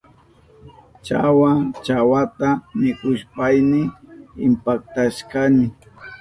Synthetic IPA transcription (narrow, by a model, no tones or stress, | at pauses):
t͡ʃawat͡ʃawat̪amɪkʊʃpajnɪɪmpak̚t̪aʃkanɪ